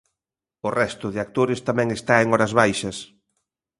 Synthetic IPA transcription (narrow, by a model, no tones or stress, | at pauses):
ʊrɛst̪ʊðɪak̚t̪oɾɪst̪amɛ̃ŋest̪aeŋɔɾɐzβajʃɐs